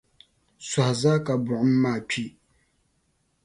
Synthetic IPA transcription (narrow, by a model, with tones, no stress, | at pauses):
sɔ˨hza˦ka˨bʊ˨ʔʊ˦m̩˦maː˦˨pʰi˦